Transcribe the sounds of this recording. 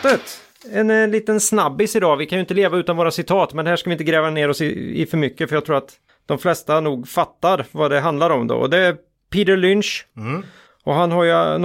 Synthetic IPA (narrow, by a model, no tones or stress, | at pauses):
ət̪ | ɛnliːt̪ənsnabːɪsɪd̪ɑːvɪkʰanjʏɪnt̪əleːvaʉ̟ːt̪anvoːɾasɪt̪ʰɑːt̪mɛnd̪ɛhæːʂkavɪnt̪əɡɾɛːvaneːɾɔsɪɪ̰fœɾmʏkːəfœɾjaɡt̪ʰɾuːɾat̪ | d̪̥ɔmflɛst̪anuːɡfat̪ːaɾvad̪ɛɦand̪laɾɔmd̪o̰ːɔ̰d̪ɛæɾ | pʰiːd̪əlʏnʂ | ɔɦanɦaɾjən